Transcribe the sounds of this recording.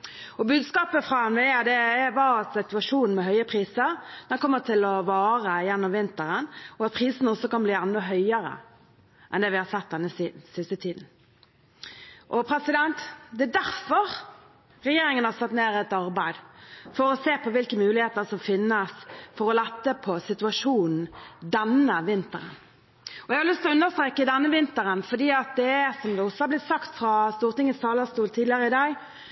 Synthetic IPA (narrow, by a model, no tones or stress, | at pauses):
ɔbʉːd̪skɑːpəfʁɑɛnʋɛɛd̪ɛɛʋɑːsɪt̪ʉɑʂuːnn̩mɛɦœʏəpʰɾiːsəɾd̪ɛnkʰɔmːət̪ʰɪlɔʋɑːʁəjɛnːɔmʋɪnt̪əɾənɔɑt̪̚pʰɾiːsənəɔsɔkɑnbliːɛnːɔɦœʏəɾə̰ | ʔɛ̰nd̪ɛːʋɪhɑɾsɛt̪̚d̪ɛnːəsisɪst̪ət̪ʰiːd̪n̩ | ʔɔpʰɾɛsɪd̪ɛnt̪d̪ɛɛd̪æɾfɔʁ | ʁɛjeːɾɪŋənhɑʁsɛt̪neːɾɛt̪ɑɾbæɪd̪fɔɾɔseːpʰɔʋɪlkəmʉːlɪheːt̪əɾsɔmfɪnːəsfɔɾɔlɛt̪ːəpʰɔsɪt̪ʉɑʂuːnn̩d̪ɛnːəʋɪnt̪əɾə̰n | ɔɛɡhɑɾlʏst̪ɪlɔʉnːəst̪ɾeːkːəd̪ɛnːəʋɪnt̪əɾənfɔd̪iːɑt̪̚d̪ɛsɔmd̪ɛɔsːɔhɑʁblɪt̪sɑkt̪fɾɑst̪uːʁt̪ɪŋəst̪ʰɑːləst̪uːlt̪ʰiːd̪lɪəʁəɪd̪ɑɡ